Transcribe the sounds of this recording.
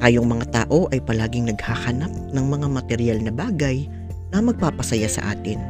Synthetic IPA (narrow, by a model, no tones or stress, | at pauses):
ʔɐjoŋmɐŋat̪aːʔo̞ʔɐjpɐlaːɡɪŋnɐɡhahɐnap̚nɐŋmɐŋamɐt̪ɛɾɪjalnɐbaːɡɐj | nɐmɐɡ̚paːpɐsɐjasɐ̰ʔa̰ːt̪ɪn